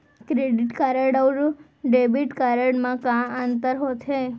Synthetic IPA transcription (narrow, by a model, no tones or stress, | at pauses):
kɾeɖiʈkaɾəɽəwɾu | ɖebiʈkaɾəɽmãkãant̪əɾɦot̪ʰɦe